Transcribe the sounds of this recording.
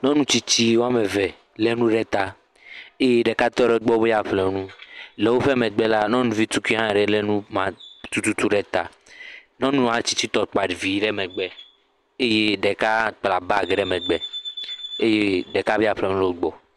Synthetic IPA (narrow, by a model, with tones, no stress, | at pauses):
nɔ̃˦nũ˦t͡ɕi˦t͡ɕi˦wo˦a˦me˨vɛ˨ | le˦nũ˦ɖɛ˦t̪a˨ | e˦je˦ɖɛ˨ka˦t̪ɔ˦ɖɛ˨˦ɡ͡bɔ˦be˦ja˦ɸlɛ˨˦nũ˦lɛ˨wo˦ɸɛ˦mɛ̃˨ɡ͡bɛ˦la˦nɔ̃˦nũ˦vi˦t̪u˦ki˦ɦã˦˨ɖɛ˨le˦nũ˦mã˨t̪u˦t̪u˦t̪u˦ɖɛ˦t̪a̰˨ | nɔ̃˦nũ˦ã˦t͡ɕi˦t͡ɕi˦t̪ɔ˨k͡pa˨ɖi˨vi˨˦ɖɛ˦mɛ˨ɡ͡bɛ˨ | e˦je˦ɖɛ˨ka˦k͡pla˨ba˦˨ɡɖɛ˦mɛ̃˨ɡ͡bɛ˨ | e˦je˦ɖɛ˨ka˦be˦a˨ɸlɛ˨nũ˦le˦ɡ͡bɔ˨